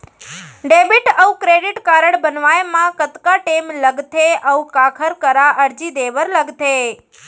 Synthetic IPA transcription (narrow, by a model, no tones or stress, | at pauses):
ɖebiʈəukɾeɖiʈkaɾəɽbənʋajemãkət̪kaʈemləɡt̪ʰeʔəʋukakʰəɾkəɾaʔəɾd͡ʒid̪eʋəɾləɡt̪ʰe